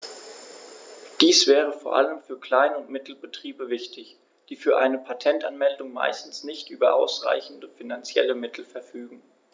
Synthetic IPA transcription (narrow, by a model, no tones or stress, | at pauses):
d̥iːsv̥ɛːʁ̞əfoːɐʔa̰ləmfyːɐkl̥aɪnʊntmɪtl̩bətʁ̥iːbəvɪçtɪç | d̥iːfyːɐʔaɪnəpʰatʰɛntanmɛldʊŋma̰ɪstn̩snɪçtʔyːbɐʔa̰ʊsʁ̥a̰ɪçn̩dəfinant͡sjɛ̰ləmɪtʰl̩fɛɐfyːɡŋ̩